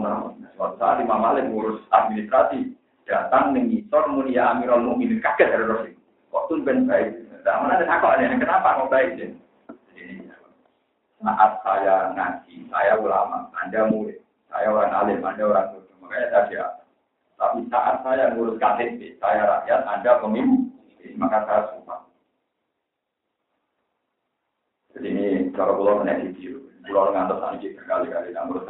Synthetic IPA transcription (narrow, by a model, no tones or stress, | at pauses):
məaasəwat̪usaalimamalɪm̚ŋuɾʊsad̪̚minist̪ɾasi | d̥at̪aŋnəŋisɔrmunijaːmiɾɔlmuminikakət̪̚haɾɛɾɔsi | ɔt̪unkənbaɪk̚adaaŋmanadanakɔlandanakənapaŋɔbaɪk̚sɛ | adiniaa | sa̰ʔat̪̚sajaŋant̪isa̰jabula̰ma̰a̰ndamulɪ | sa̰jaoɾaŋalɪmandaoɾaŋuʊtəmakaɲad̪asia̰a | t̪a̰pisaʔat̪̚sajaŋuɾʊskasɪt̪̚sɪsajaɾa̰ʔjat̪̚andapəŋimuikinimakasajasupa̰ | d͡ʒadiːnit͡ʃaɾakulɔmənakit̪ibulanŋant̪ɔsa̰nikik̪ərɡalikalinaŋuɾʊs